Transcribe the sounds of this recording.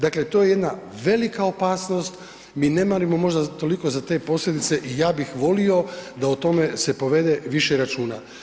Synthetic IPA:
d̪akle̞t̪oje̞je̞d̪na | ʋe̞likaopaːsno̞st̪ | miːne̞maɾimo̞mo̞ʒd̪at̪o̞liko̞zat̪e̞ːpo̞slʎʲe̞d̪it̪se̞ʔijaːbixʋo̞lio̞d̪aot̪o̞me̞se̞po̞ʋe̞d̪e̞ʋiʃeɾat͡ʃuːna̰

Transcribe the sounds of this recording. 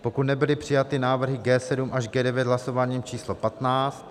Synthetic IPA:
po̞kut̪nɛbɪlɪpr̝̥ɪjat̪ɪnaːvr̩ɦɪɡɛːsɛdumʔaʒɡɛːdɛvjɛt̪ɦlaso̞vaːɲiːmt͡ʃiːslopat̪naːt͡st̪

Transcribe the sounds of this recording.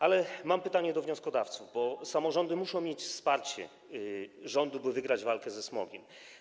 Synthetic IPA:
alɛmampɘt̪aɲɛd̪ɔvɲɔ̃skɔd̪aft̪suvbɔsamɔʐɔnd̪ɘmuʂɔ̃w̃mʲjet͡ɕfspaɾt͡ɕɛ̰ | ʐɔnd̪ubɘvɘɡɾad͡ʑvalkɛzɛsmɔ̰ɡʲɛm

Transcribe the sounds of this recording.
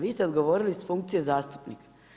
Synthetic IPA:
ʋiːst̪eo̞d̪ɡo̞ʋo̞ːɾilisfuŋkt̪sije̞zaːst̪u̥pnḭkḁ

